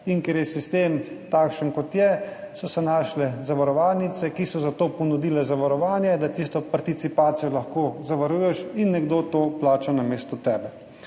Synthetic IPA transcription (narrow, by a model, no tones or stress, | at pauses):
iŋkɛɾjɛsist̪eːmt̪aːkʃənkɔt̪jɛsɔsɛnaːʃlɛzaʋaɾɔʋaːlnit̪sɛkisɔzat̪opɔnud̪iːlɛzaʋaɾɔʋaːnjɛd̪at̪ist̪ɔpaɾt̪it̪sipaːt̪sijɔlaxkozaʋaɾuːjɛʃinːɛɡd̪oːt̪oːplaːt͡ʃanameːst̪ɔt̪ɛːbɛ